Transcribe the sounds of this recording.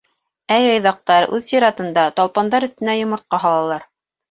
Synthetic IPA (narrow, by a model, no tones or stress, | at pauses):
æjɑjðɑq̚t̪ɑɾʉðsiɾɑt̪ɤ̆nd̪ɑt̪ɑlˠpɑnd̪ɑɾɵ̆θt̪ɘ̆næjŏmɤ̆ɾt̪̚qɑɦɑlˠɑlˠɑɾ